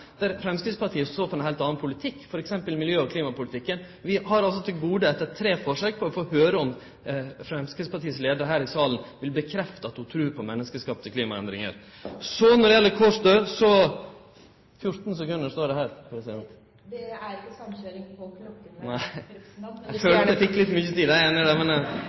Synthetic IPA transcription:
d̪̥æɾfɾɛmskɾɪd̪spɑʈʰiːəssoːfɾɛnhæɪlt̪ɑːnɑnpʰʊlɪt̪ʰɪkːfɔɾɛksɛmpəlmɪljøːɔkʰliːmɑpʊlɪt̪ɪkːən | ʋɪhɑɾɑls̬ɔt̪ʰɪlɡuːd̪əɛt̪ːət̪ʰɾeːfɔʂøːk̚pʰɔɔfoːhøːɾəɔm | fɾɛmskɾɪd̪spʰɑʈiːəsleːd̪əɾəɦæːɾɪsɑːlənʋɪlbəkʰɾɛft̪əɑt̪hʊt̪ʰɾʉːpʰɔmɛnːəskəskɑːp̚t̪ʰɪkliːmɑɛnd̪ɾɪŋə̰ɾ | sɔnɔɖɛjɛlːəɾkʰɔʂd̪øːsɔ | fjʊt̪n̩sɛkʉnd̪əʂt̪oːɖɛhæːɾpʰɾɛsɪd̪ɛnt̪ | d̪ɛæɾɪkːəsɑmøːɾɪŋpʰɔkʰɾɔk̪ːnæɪ | æføld̪ɛfɪkːlɪt̪ːmʏçːət̪ʰiːd̪æeːnəɖɛmɛn

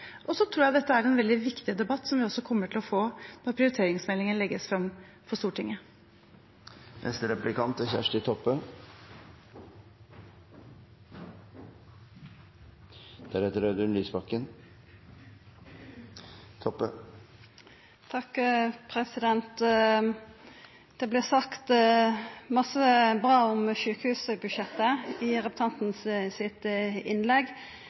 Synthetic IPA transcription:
ʔɔsɔt̪ʰɾuːjæɪd̪ɛt̪ːəæɾɛnʋɛld̪ɪʋɪkt̪ɪəd̪ɛbɑt̪ːsɔmʋɪɔsːɔkʰɔmːəʈʰɪlɔfoːnɔɾpʰɾɪʊɾɪt̪ʰeːɾɪŋsmɛlɪŋənlɛɡːəsfɾɑm | fɔɾst̪uːʈʰɪŋːə | nʔɛ̰st̪əɾɛplɪkɑnt̪ɔçæ̰ʂʈɪt̪ʰɔpːə | d̪̥æɾɛt̪əɾœd̪ʉnlyːsbɑkːən | t̪ʰɔpːə̰ | t̪ʰɑkpʰɾɛsɪd̪ɛnt̪ | d̪̥ɛblɪːsɑkt̪ | mɑsəbʁɑːɔmʃʉːkəhʉːsbʉʃjɛt̪ːəɪʁɛpʉ̥t̪ʰɑnt̪n̩ssɪt̪ɪnlɛɡ

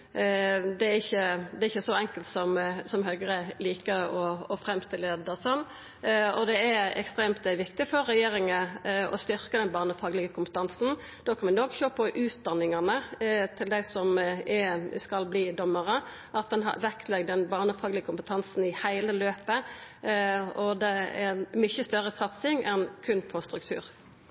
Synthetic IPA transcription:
d̪ɛæɾɪçːəd̪ɛɾɪçːəsɔɛŋkəlt̪sɔmsɔmɦœɡɾəliːkəɔɔfɾɛmst̪ɪleːd̪əʁsɔnː | ɔd̪ɛæɾɛ̰kst̪ɾeːmt̪̚d̪ɛɛʋɪkt̪ɪfɔɾːɛjeːɾɪŋəɔst̪ʏɾkəd̪ɛnbɑːʁnəfɑːɡlɪɡəkʰʊmpət̪ʰɑnsn̩ | d̪̥oːkʰɑnʋɪnoːkʃøːpʰɔʔʉːt̪̚d̪ɑnːɪŋɑnət̪ʰɪld̪æɪsɔmɛskɑlbliːd̪ɔmːəʁə | ʔɑt̪̚d̪ɛnɦɑ̰ʋɛk̪lɛɡ̚d̪ɛnbɑːʁnəfɑːɡlɪɡəkʊmpət̪ʰɑnsn̩ɪhæɪləløːpə | ɔd̪ɛɛmʏçəst̪œɾəsɑt̪sɪŋɛnkʰʉnpʰɔst̪ɾʉk̚t̪ʰʉ̰ːɾ

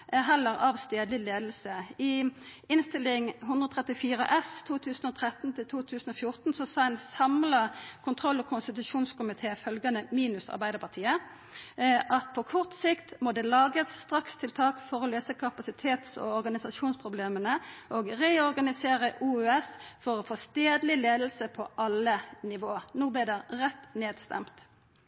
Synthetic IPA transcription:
ɦɛlːəʁɑːʋst̪eːd̪lɪleːd̪l̩səɪɪnst̪ɪlɪŋɦʉnd̪ʁəɔːt̪ʰʁɛt̪ːɪfiːʁə̰ʔɛst̪ʰuːt̪ʰʉːsnɔːt̪ʰʁɛt̪n̩t̪ʰɪlt̪ʰuːt̪ʰʉːsn̩ɔfjʊʁt̪nsɔsɑːɛnsɑmlɑkʰʊnt̪ʰʁɔlːɔkʰʊnst̪ɪt̪ʉʃuːnskʊmɪt̪ʰeːfœlɡɑnəmiːnʉsɑ̰ʁbæɪd̪əpʰɑʁt̪ʰiːə | ʔɑt̪̚pʰɔkʰɔʁt̪sɪkt̪mɔd̪ɛːlɑːɡəsst̪ʁɑkst̪ʰɪlt̪ʰɑːkfɔɾɔløːsəkʰɑpɑsɪt̪ʰeːt̪sɔ̰ɔɾɡɑnɪsɑʃuːnspʰʁʊbleːmənəʔoːɡʁeːɔʁɡɑnɪseːʁəʔuːøɛsfɔʁɔfoːst̪eːd̪lɪleːd̪l̩səpʰɔʔɑlːənɪʋoːənuːblɛd̪ɛʁɛt̪ːneːd̪st̪ɛ̰mt̪

